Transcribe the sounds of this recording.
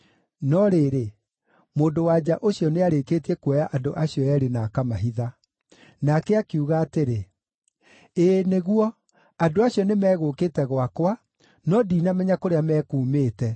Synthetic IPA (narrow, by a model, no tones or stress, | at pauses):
nɔɾeːɾe | moːndowaːd͡ʑaʔoɕjɔneaɾekeːtiɛkwɛjaʔadoʔaɕiɔjɛɾenakamaɦiða | nakɛakeuɣaːteɾe | eːneɣwɔ | adoaɕiɔnemɛːɣokeːtɛɣwakwa | nɔdinamɛɲakoɾeamɛːkuːmeːtɛ